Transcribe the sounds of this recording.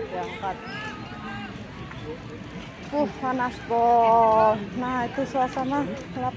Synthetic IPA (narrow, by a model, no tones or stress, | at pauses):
d͡ʒakat̪̚ | puhanasbɔ | naɦit̪usuasana | la